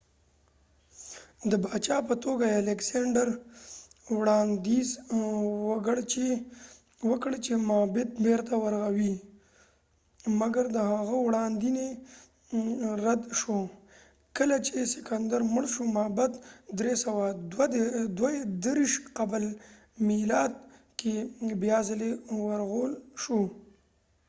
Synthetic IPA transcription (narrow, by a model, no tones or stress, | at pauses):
d̪əbɑːt͡ʃɑpət̪oɡaealekseɳɖəɾ | wɽɑnd̪iz | wəɡəɽt͡ʃe | wəkəɽt͡ʃemabɪt̪̚beɾt̪awaɾɣawi | maɡaɾd̪əhaɣawɽɑnd̪ine | ɾad̪ʃo | kəlat͡ʃesɪkand̪aɾmʊɽʃomaːbad̪d̪ɾesawad̪wd̪d̪wad̪əɾiʃqabl | milɑd̪̚ | kebjɑːzɪlewaɾɣolʃo